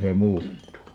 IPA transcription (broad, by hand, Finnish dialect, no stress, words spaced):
se muːtːuː